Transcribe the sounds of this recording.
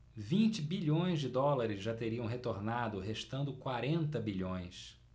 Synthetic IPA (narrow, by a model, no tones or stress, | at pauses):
vĩnt͡ʃɪbiʎõj̃zd͡ʒɪd̪ɔlaɾɪzʒat̪eɾiɐ̃w̃ɦet̪oɾnad̪ʊɦeʃt̪ɐ̃nd̪ʊkwaɾẽnt̪ɐbiʎõj̃s